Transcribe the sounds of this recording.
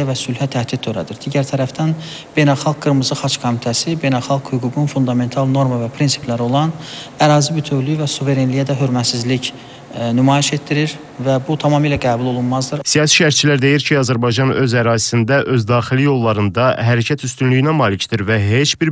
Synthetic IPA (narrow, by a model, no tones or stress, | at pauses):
ævæsylhæt̪ʰæhd̪id̪̚ʰøɾæ̰d̪iɾd̪iɟæɾt̪ʰæɾæfd̪æn | b̥e̞jnælˠxɑlˠk̚ɡɯɾmɯzɯxɑt͡ʃkʰomit̪ʰæsibe̞jnælˠxɑlˠkhyɡuɡunfund̪ɑme̞nt̪ʰɑlˠno̞ɾmɑvæpʰɾinsi̥plæɾo̞lˠɑn | æɾɑːzibyt̪ʰøvlyjvæsuve̞ɾenlijæd̪æɦøɾmæt̪sizlic | nymɑːjiʃe̞t̪̚d̪iɾiɾ | væbut̪ʰɑmɑːmilæɡæːbulˠo̞lˠunmɑzd̪ɯɾsijɑːsi̥ʃæɾt͡ʃʰilæɾd̪e̞jiɾcʰiɑzæɾbɑjd͡ʒɑnø̞zæɾɑːzisind̪æʔø̞zd̪ɑːxilijo̞lˠːɑɾɯnd̪ɑɦæɾæcʰæt̪ʰyst̪ynlyjinæmɑːlicʰd̪iɾvæɦe̞t͡ʃbiɾ